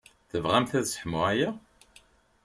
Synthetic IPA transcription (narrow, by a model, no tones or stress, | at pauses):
θəvʁæmθæðsə̥ħmʊʕæjæ